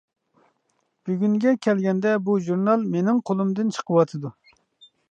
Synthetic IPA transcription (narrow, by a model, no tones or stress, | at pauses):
b̥yɡʲyŋɡʲɛkʲʰɛlɡʲɛnd̪ɛbuʒuɾnɑlˠmenɪŋqʰolˠumd̪ɨnt͡ʃʰə̥qʰəwɑt̪ʰɨd̪u